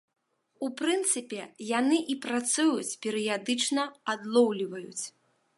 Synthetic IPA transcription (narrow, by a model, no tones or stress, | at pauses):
upɾɨnt̪sɨpʲɛjanɨʔipɾat̪sujut͡sʲpʲɛɾɨjad̪ɨt͡ʂnɐad̪lˠɔwlʲivɐjṵt͡sʲ